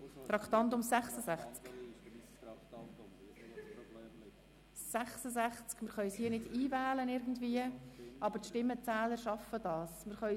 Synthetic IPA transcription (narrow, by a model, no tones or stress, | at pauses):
t̪ɾɑkt̪ɑnt̪̬ʊmsæχsəsæχt͡sk | sæχsəsæχt͡skmɪɾχœʏshiːnɪdiːvæːlənɪɾɡn̩dviːəʔɑbəɾt̪ʃtɪmːət͡sæːləɾʃɑfəd̥ɑːsmɪɾχœʏ